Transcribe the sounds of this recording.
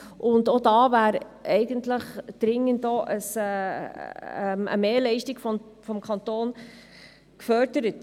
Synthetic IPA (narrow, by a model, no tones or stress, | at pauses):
ʔʊndodɑːvæːɾ | ɛɪɡəntləχd̥ɾɪŋːəndɔʔəsɛː | ɛmə̰meːlɛɪʃtiɡ̥fɔfɔmkʰɑntoːn | kfœɾdəɾət